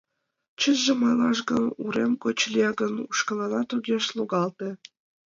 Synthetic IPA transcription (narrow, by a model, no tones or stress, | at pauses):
t͡ɕəʒĕmɑjlɑʃɡə̆nuɾemkot͡ɕlʲieɡə̆nuʃkɤ̆lɑnɑt̪uɡʲeʃlˠuɣɑlt̪ĕ